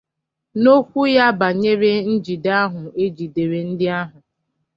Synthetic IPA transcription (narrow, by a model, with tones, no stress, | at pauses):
no˦kʷu˦ja˦ba˨ɲe˦ɾe˦n̩˦d͡ʒi˨da˦ɦʊ˨e˦d͡ʒi˨de˨ɾe˨n̩˦dɪ˦a˦ɦʊ˨